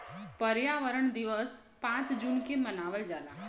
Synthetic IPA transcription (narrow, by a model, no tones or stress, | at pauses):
pəɾjaʋəɾəɳd̪iʋəs | pãt͡sd͡ʑunkemənaʋəld͡ʒala̰